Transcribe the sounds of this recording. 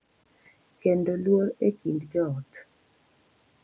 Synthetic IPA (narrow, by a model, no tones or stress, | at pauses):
kendolwoɾekindd͡ʒɔɔt̪